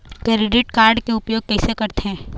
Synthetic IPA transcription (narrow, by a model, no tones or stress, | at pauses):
kɾeɖɪʈkaːɾɖkeʊpjoːɡ̚kɛːsekɐɾt̪eɦɛ̃ː